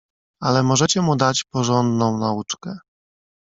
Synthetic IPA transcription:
alɛmɔʐɛt͡ɕɛmud̪at͡ɕpɔʐɔnd̪nɔ̃w̃naut͡ʂkɛ

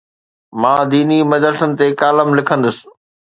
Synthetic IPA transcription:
mãːd̪iːnimɐd͡ʑəɾsənɪ̆t̪ekaːləmlɪkʰə̃nd̪əsɪ̥̆

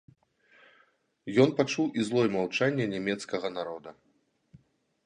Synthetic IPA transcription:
jɔn̪pat͡ʂuwʔizlˠɔjmawt͡ʂanʲːɛnʲɛmʲɛt̪skɐɣɐnaɾɔd̪ɐ

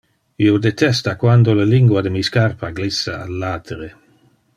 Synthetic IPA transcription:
iod̪et̪ɛst̪akwand̪olaliŋɡwad̪emiːskarpaɡlisːaalːaːt̪ʰeɾe

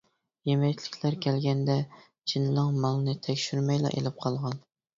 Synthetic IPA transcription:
jemɛjt͡ʃ̪ʰlɪ̥kʲʰlæɾkʲʰɛlɡʲɛnd̪ɛ | t͡ʃʰinɨlɨŋmɑlˠɨnɨt̪ʰɛkʲʃyɾmɛjlˠɑ̰ʔḛlɪp̚qʰɑlˠʁɑn

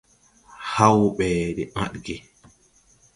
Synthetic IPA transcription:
hawɓɛːɗɛma̰ɗɡɛ

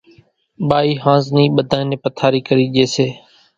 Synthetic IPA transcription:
ɓaːiːɦãːznĩːɓəd̪ʱãːjnẽːpət̪ʰaːɾiːkəɾiːʄeːseː

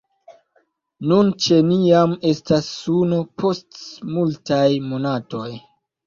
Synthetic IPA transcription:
nunt͡ʃe̞nijame̞stasːunopʰo̞stmultajmo̞nato̞j

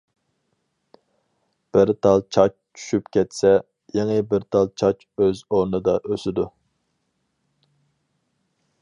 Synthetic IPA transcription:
b̥ɪɾt̪ʰɑlˠt͡ʃʰɑt͡ʃt͡ʃʰy̥ʃypkʲɛt̪sɛ | jeŋɨbɪɾt̪ʰɑlˠt͡ʃʰɑt͡ʃ | øzoɾnɨd̪ɑʔøsɪd̪u

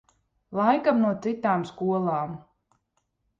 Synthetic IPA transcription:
lˠajkamnuɔt̪sit̪aːmskuɔlˠaːm

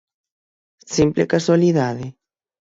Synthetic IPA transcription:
simplekaswaliðaðe

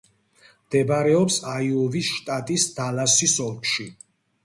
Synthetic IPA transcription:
md̪̥ɛbaɾɛɔpsaiɔvisʃt̪ʼat̪ʼisd̪̥alasisɔlkʃi

